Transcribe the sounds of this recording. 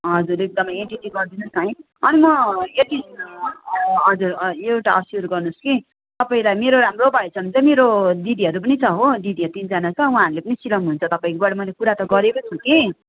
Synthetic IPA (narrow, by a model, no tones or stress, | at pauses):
ɦʌd͡zuɾek̚d̪ʌmʌeɳʈiʈiɡʌrd̪inusʌj̃ | ʌnimʌeʈi | ɦʌd͡zuɾewʈaʌsjuɾɡʌrnuski | t̪ʌpaĩlajmeɾoɾamrobʱʌet͡sʰʌnt͡sʌmeɾoɖidiɦʌɾup̬ʌnit͡sʰʌɦoɖidiɦʌt̪ind͡zanat͡sʰʌũɦãːɦʌɾulepʌnisilʌmɦunt͡sʰʌt̪ʌpaĩkobaɽamʌjlekuɾat̪ʌɡʌɾekot͡sʰuki